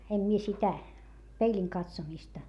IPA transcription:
em mie sitæ peilʲiŋ kɑtsomistɑ

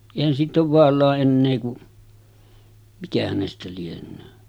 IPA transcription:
eˑihæn siːtˑ oːʋ ʋɑːlˑɑːʔ ʔenːeː ku mikæ hænestæ lienˑøː

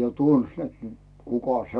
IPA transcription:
jo tuns net ny̆t̆ kukɑ se

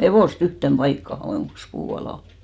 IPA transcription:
heʋoˑst yhtem b̥ɑikːɑhɑ johoˑŋkːis puː ɑlɑˑ

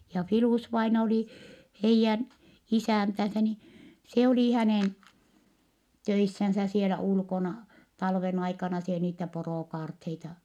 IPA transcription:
jɑ filuˑsʋɑinɑ oli heijːæn isæˑntænsæ ni se oliˑ hæneˑn tøisːænsæ sielæ ulkonɑ tɑlʋen ɑikɑnɑ se niːtæ poroˑkɑːrtheitɑ

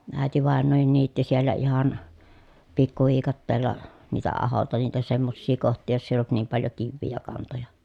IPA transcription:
æˑetiʋɑˑenːoːhin niːtːi sielːæ ihɑn pikːuʋiːkɑtːeːlːɑ niːtæ ɑholtɑ niːtæ semːosːiː kohtˑiː josː eˑij olt niːm pɑljo kiʋːiː jɑ kɑntojɑ

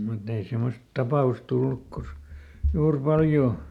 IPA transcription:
mutː ei semːost tɑpɑˑus tulːuk kosk juːr pɑljoː

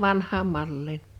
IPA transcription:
ʋɑnhˑɑːm mɑlːiːn

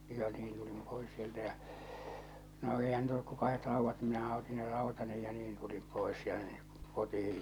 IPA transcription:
jɑ niːn tulim pois sieltæ jæ̠ no eˑihæn niːt olːuk ko kɑhet rɑuʋːɑt ni minæhæ oti ne rɑˑo̝tɑni jɑ niːn tulim poˑes tæ̥n̥ːe̥ kotihij

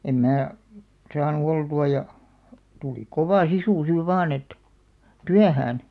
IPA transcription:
em mæː sɑːnu oltuɑ jɑ tuli koʋɑˑ sisuˑ siːʋ ʋɑːn et tyæhæːn

